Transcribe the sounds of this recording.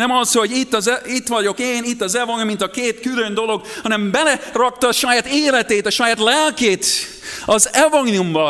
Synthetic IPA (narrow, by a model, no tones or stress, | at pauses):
nɛmɒsoɟit̪ːɒzɛit̪ʋɒɟo̞keːnit̪ːɒzɛvɒŋmːint̪ɒkeːt̪kylønd̪o̞lo̞ɡ̥hɒnɛmbɛlɛrɒk̚t̪ɒːʃɒjaːt̪eːlɛt̪eːt̪ɒʃɒjaːt̪lɛlkeːt̪ | ɒzɛvɒŋnumbɒ